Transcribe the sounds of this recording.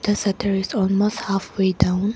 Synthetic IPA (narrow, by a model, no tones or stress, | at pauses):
d̪̥əsɛtʰəɹɪzɔlmosthafwedãʊ̃n